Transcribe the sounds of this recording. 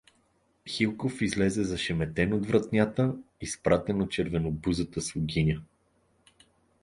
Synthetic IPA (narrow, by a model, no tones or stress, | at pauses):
xilˠkofizlɛzɛzɐʃɛmɛt̪ɛnod̪vɾɐt̪nʲat̪əispɾat̪ɛnot̪̚t͡ʃɛɾvɛnobuzət̪əsʊɡʲinʲə